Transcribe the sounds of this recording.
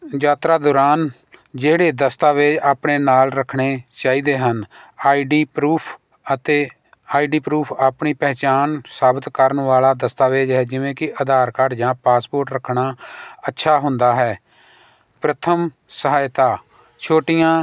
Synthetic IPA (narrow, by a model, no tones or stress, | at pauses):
jaːt̪ɾaːd̪oːɾaːn | d͡ʒeːɽeːd̪əst̪aːʋeːd͡ʒaːpɳeːnaːlɾəkʰɽeːt͡ʃaːiːd̪eːɦənaːiːɖiːpɾuːpʰ | ət̪eː | aːiːɖiːpɾuːpʰaːpɳiːpɛːt͡ʃaːnsaːbət̪kəɾəɳʋaːlaːd̪əst̪aːʋeːd͡ʒɦɛːd͡ʒɪʋẽːkɪʔəd̪ʱaːɾkəɾd͡ʒãːpaːspoːɾʈɾəkʰɳaːətːʃʰaːɦʊnd̪aːɦɛː | pɾət̪ʰəm | səɦaːjt̪aː | t͡ʃʰoːʈɪjãː